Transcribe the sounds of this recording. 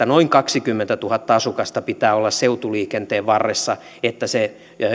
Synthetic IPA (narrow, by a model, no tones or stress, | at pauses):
ænoiŋkɑksikymːent̪æt̪uhɑt̪ːɑɑsukɑst̪ɑpit̪æːolːɑsseut̪uliːkent̪eːʋʋɑrːesːɑ | et̪ːæse